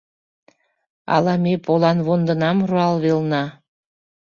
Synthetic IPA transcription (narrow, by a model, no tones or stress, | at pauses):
ɑ̰lɑmepolɑnβond̪ə̆nɑmruɑlβelnɑ